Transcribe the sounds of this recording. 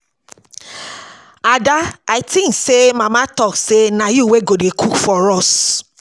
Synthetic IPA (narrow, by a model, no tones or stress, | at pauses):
adaaitĩn̩semãmãtɔksenãjuweɡodekʰukfɔɾɔs